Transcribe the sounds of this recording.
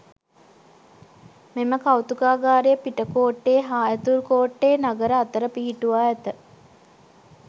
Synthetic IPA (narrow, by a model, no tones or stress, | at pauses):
meməkawt̪ukaːɡaːɾejəpiʈəkoːʈːeːɦaːjət̪uɾkoːʈːeːnaɡəɾəat̪əɾəpiːiʈuʋaːɛt̪ə